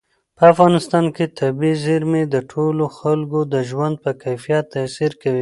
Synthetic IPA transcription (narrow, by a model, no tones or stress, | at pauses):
pəafɣɑnɪst̪ɑnket̪ʰabizɪɾmed̪əʈʰoloxalɡod̪əʒwand̪̚pəkajfijat̪ːasiɾkawi